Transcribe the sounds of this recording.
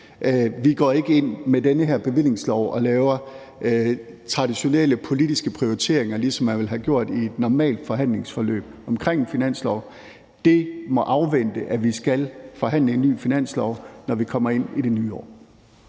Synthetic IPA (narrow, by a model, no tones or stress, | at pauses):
ʋiɡ̥ɒ̰ːe̝ɡ̥əe̝n̰medenəɦæɐb̥e̝ʋele̝ŋslɒʊʔɒ̽lɛːʊɐ | t͡sʰʁɑ̈ɾ̥iɕo̝neləpʰo̝lid̥isɡ̥əpʰʁio̝it͡sʰe̝̰ɐ̰eŋɐlisɒ̽mːænʋe̝lɦæɡ̥jo̝ɐ̰d̥ie̝d̥nɒmɛ̰ːld̥fɒ̽ɦæn̰le̝ŋsfɒ̽lø̰ːb̥ɒ̽mkʰʁeŋ̰finæn̰slɒʊ̰ | d̥e̝mɒ̽ʔɑ̈ʊʋen̰d̥əʔæʋisɡ̥ælfɒ̽ɦæn̰ləe̝nːy̰ːfinæn̰slɒʊnɒʋikʰɒ̽m̰ɐe̝n̰ide̝nyːɒ̰ː